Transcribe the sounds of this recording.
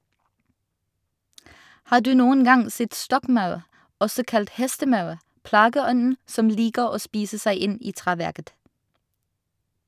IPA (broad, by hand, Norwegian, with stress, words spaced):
ˈhɑːʁ ˈdʉː ˈnuːən ˈɡɑŋ ˈsɛt ˈstɔkˌmɑʉʁ ˈɔsɔ ˈkɑlt ˈhɛstəˌmɑʉʁ ˈplɑːɡəˌɔnn̩ ˈsɔm ˈliːkəʁ ˈoː ˈspiːsə ˈsæɪ ˈɪn ˈiː ˈtʁeːˌʋæʁkət